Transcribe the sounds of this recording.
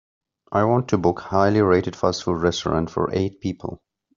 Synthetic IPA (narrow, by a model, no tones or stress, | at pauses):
ʔaɪwɑ̃ntʰɨbʊkhaɪlˠiɹeɪɾɨd̥fasfudɹɛstə˞ɑ̰̃ntfə̰˞ʔeɪt̚pʰipʰəl̩ˠ